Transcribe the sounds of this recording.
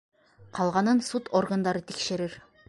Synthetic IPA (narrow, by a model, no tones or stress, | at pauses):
qʰɑlˠʁɑnɤnsut̪orɡənd̪ɑɾɤt̪ʰikʃɘ̆ɾɘɾ